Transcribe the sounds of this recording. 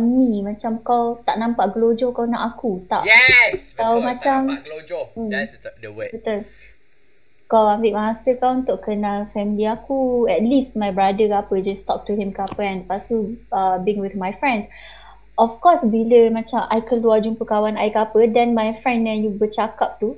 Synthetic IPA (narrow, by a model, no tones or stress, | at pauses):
mimãt͡ʃamkawt̪aʔnãmpaʔɡəlod͡ʒɔkawnaʔakut̪a̰ʔkawmãt͡ʃam̩ | bət̪ul | kawambɪʔmaɦasəkawunt̪ʊʔkənãlfɛmiliakuɛt̪̚listmajbɾadəkapəd͡ʒast̪ɔk̚tuhĩmkapəɛ̃npasuəbĩŋwiθmajfɹɛ̃ns | ʔɔfkɔsbiləmãt͡ʃamʔajkənuad͡ʒuŋpəkawanajkapədɛ̃nmajfɹɛ̃ndɛ̃njubət͡ʃakap̚t̪u